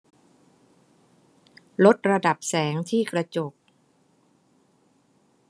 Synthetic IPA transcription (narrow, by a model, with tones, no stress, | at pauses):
lo˦˥t̪̚ɾa˧da˨˩p̚sɛː˩˦ŋt̪ʰiː˥˩kɾa˧t͡ɕo˨˩k̚